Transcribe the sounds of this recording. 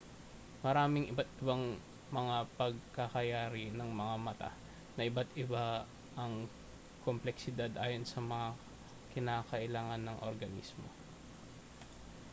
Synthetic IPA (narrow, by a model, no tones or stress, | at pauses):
mɐɾaːmɪŋʔɪbat̪̚ɪbaŋ | mɐŋapɐɡ̚kɐkɐjaːɾɪnɐŋmɐŋamɐt̪a̰ | nɐʔɪbat̪ɪba | ʔɐŋ | komplɛksɪd̪ad̪ʔaːjo̞nsɐmɐŋa | kɪnaːkɐʔɪlaːŋɐnːɐŋʔo̰ɾɡɐnḭsmo̞̰